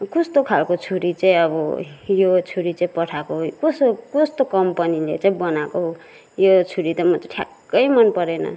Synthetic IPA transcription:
kust̪okʰalkot͡sʰuɾit͡saĩʌbʌ̰jot͡sʰuɾit͡saĩpʌʈʰakoɦokoskost̪okʌmpʌnilḛt͡saĩbʌnakoɦo | jot͡sʰuɾit̪ʌmʌtʈʰja̰kː | ʌjmʌnpʌɾenʌ̰

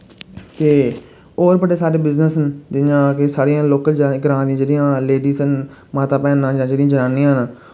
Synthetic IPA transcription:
k̪eː | oːɾbəɽeːsaːɾeːbɪznəsənd͡ʒɪjãːkɪsaːɾijãːloːkəld͡ʒɡəɾãːd̪iãːd͡ʒeːɽijãːleːɖiːsən | maːt̪aːpɛ̃ːnãːd͡ʒãːd͡ʒeːɽĩjãːd͡ʒənaːniːãːɦnãː

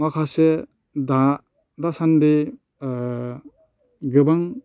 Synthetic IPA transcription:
akʰase | da | dasande | ɡɯbaŋ

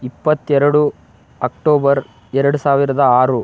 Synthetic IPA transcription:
ipːɐt̪ːɛɾɐɽu | ɐk̚ʈoːbɐɾ | ɛɾɐɽusaːʋiɾɐd̪ɐaːɾu

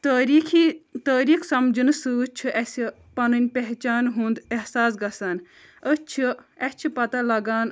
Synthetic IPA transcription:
ɾikʰit̪əːɾiːksɐmd͡ʒɨnɨsɨt͡ʃʰiʔɛsi | pɐnɨnʲpeɦt͡ʃaːnɦũːnd̪eɦsaːs̬ɡɐsaːn | ət͡ʃʰiɐt͡ʃʰipɐt̪ɐlɐɡaːn

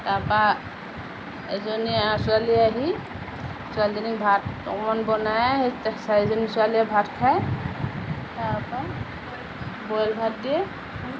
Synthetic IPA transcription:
tapa | ɛzɔniasaliaɦi | sualzɔnibʱatɔ̰mɔnbɔnajtɛsaizɔnisualiabʱatkʰaj | tapa | bɔjlbʱat̚dijɛ

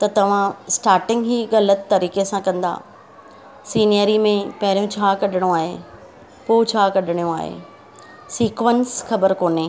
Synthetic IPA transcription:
t̪ɐt̪ɐʋ̤ãsʈaːɾʈɪ̃ŋɡɦiːɣɐlət̪t̪ɐɾiːkesãkɐ̃nd̪a̰ː | siːnijəɾimẽpɐɦɪɾijõt͡ɕʰaːkɐɗɪɽ̃õaːɦḛ | poːt͡ɕʰaːkɐɗɪɽ̃ijũa̰ːɦḛː | siːkʋənsxɐbəɾkoːne

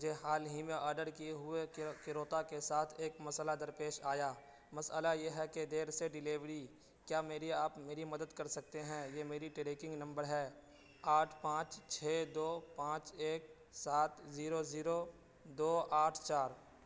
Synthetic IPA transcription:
d͡ʒeɦaːlɦimẽʔɔːɾɖəɾkieɦʊekɪɾoːt̪akesaːt̪ʰeːkmɐsəlad̪ɐɾpeːʃaːjaː | mɐsəlajeːɦɛked̪eːɾseɖɪleːʋɾi | kjaːmeːɾiaːpmeːɾimɐd̪əd̪kɐɾsɐk̚t̪eɦɛ̃jemeːɾiʈɪɾeːkɪ̃ŋɡnɐ̃mbəɾɦɛː | aːʈʰpãːt͡ʃt͡ʃʰeːd̪oːpãːt͡ʃeːk̚ | saːt̪ziːɾoziːɾo | d̪oːaːʈʰt͡ʃaːɾ

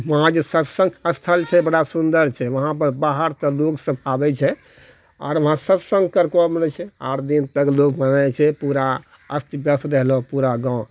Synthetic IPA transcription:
ʋəɦãd͡ʒesət̪sə̃ŋɡəst̪ʰəlt͡ʃʰɛbəɽasund̪əɾt͡ʃʰɛʋəɦãp̬əɾbaɦəɾt̪ɔloksə̃babɛt͡ʃʰɛ | a̰ɾʋəɦãsət̪sə̃ŋɡkəɾkɔmnɛt͡ʃʰɛa̰ɾd̪int̪əklokmənat͡ʃʰɛpuɾa | əst̪ibjəsɾəɦlɔpuɾaɡãʊ̃

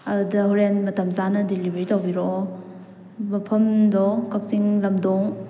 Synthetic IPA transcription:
ɐdudɐɦuɾenmɐtɐmzanɐdilibeɾitawbiɾɔ | mɐpʰɐmdɔkak̚siŋlɐmdɔŋ

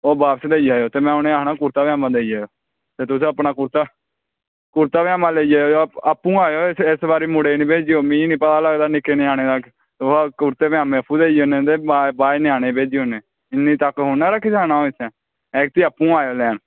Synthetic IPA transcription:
oːbaːpsed̪eːid͡ʒaːjoːt̪eːmɛ̃ːoneːaːnaːkʊɾt̪aːʋjaːmãːd̪eːid͡ʒaːjoː | t̪eːt̪ʊsẽːəpnaːkʊɾt̪aː | kʊɾt̪aːʋjaːmãːleːid͡ʒaːjoːoːəpːũːaːjoːesbaːɾiːmʊɽeːnĩːbeːd͡ʒiːoːmĩːnĩːpət̪aːləɡd̪aːnɪkːeːnĩːaːñeːt̪ək | t̪oakʊɾt̪eːʋɪjãːmɛ̃ːəpuːd̪eːioːnẽːt̪̬eːbaːbaːinĩːaːñeːbeːd͡ʒiːoːneː | ɪniːt̪əkɦʊnːaːɾakɪsaːnaːoːɪsʰɛː | ɛːk̚t̪iːəpːũːaːjoːlɛːn

